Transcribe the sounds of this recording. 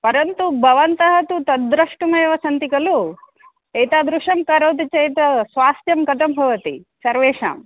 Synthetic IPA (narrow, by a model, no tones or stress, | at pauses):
pɐɾɐnt̪ubʱɐʋɐnt̪ɐɦɐt̪ut̪ɐd̪ɾɐʂʈumɐjʋɐsɐnt̪ikɐlu | ejt̪aːd̪ɾuʂɐmkɐɾɐːt̪̬it͡ʃɐjt̪ɐsʋaːst̪jɐmkɐt̪ʰɐmbʱɐʋɐt̪ḭsɐɾʋeːʂa̰ːm